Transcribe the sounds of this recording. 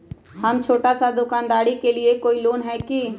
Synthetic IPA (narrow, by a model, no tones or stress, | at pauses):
hɐmt͡ʃʰoːʈasad̪ʊkaːnd̪aːɾikeliekoːiloːnɦɛki